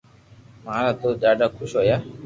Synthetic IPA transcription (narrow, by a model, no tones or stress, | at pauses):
mãɾat̪od͡ʒaɖakʰuʃɔja